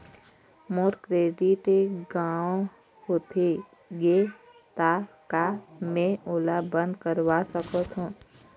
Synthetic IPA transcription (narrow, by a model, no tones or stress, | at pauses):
moːɾkɾeːɖɪʈeɡaːõ | hoːt̪ʰe | ɡe | t̪a | kamẽʔoːlabə̃nd̪kəɾwasəkət̪ɦũː